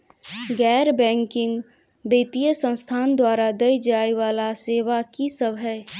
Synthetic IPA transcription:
ɡɛːɾbɛ̃ːŋkɪ̃ŋɡ | beːt̪ijəsə̃nst̪ʰaːnd̪waːɾad̪əjd͡ʒaːiʋaːlaseːʋakisəbʱɦəː

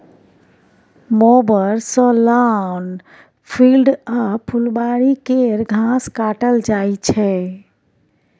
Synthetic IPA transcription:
mobəɾsɔlan | pʰilɖapʰulbaɽikeɾɡʱãskaʈəld͡ʒajt͡ʃʰɛ

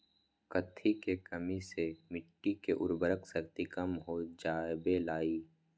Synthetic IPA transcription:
kət̪ʰːikekəmisemɪʈʈːikeʔʊ̰ɾbəɾəksəkt̪ikəmɦod͡ʒaːbelaːiː

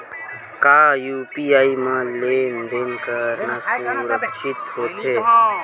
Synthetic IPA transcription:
kaːjuːpiːaːimãleːnd̪eːnkəɾnasuɾəkʃʰɪt̪hoːt̪eː

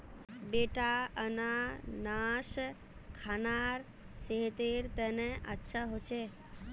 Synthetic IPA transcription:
beʈaənanaʃ | kʰanaɾ | seɦt̪eɾt̪ɛneʔətːʃʰaɦot͡ʃʰe

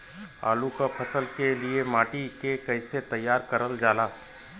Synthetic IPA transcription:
a̰ːlukapʰəsəlkeliemaːʈikekəɪset̪əjːaːɾkəɾəld͡ʒaːlaː

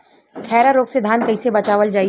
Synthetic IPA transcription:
kʰɛːɾaɾoːɡsed̪ʱaːnkɐisebɐt͡ʃaːʋəld͡ʒaːi

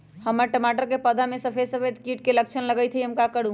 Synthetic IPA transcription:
həmːəɾʈəmaʈəɾkepəd̪ʱamesəpʰesəpʰet̪kiʈ̚kelək̚t͡ʃʰənləɡəjt̪ʰɦiɦəmkakəɽ̤u

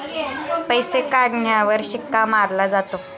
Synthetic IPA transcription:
pəjsekaɽɳjaʋəɾɕikːamaɾlad͡zat̪o

